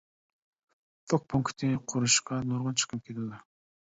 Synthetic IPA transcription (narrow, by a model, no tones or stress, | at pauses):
t̪ʰok̚pʰuŋkt̪ʰɪqʰʊɾuʃqɑnuɾʁʊnt͡ʃʰə̥qʰəm̚kʲʰet̪ɪd̪ɪ